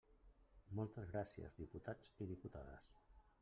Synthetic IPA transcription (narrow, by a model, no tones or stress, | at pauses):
mɔlˠt̪əzɣɾasiə̰zðiput̪ad͡ziðiput̪aðə̰s